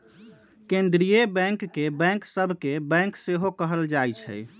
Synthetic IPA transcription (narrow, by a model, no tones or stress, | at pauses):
kend̪ɾijebɛ̃ŋkːebɛ̃ŋksəbʱkebɛ̃ŋkseɦokəɦəld͡ʒajt͡ʃʰɛ̰j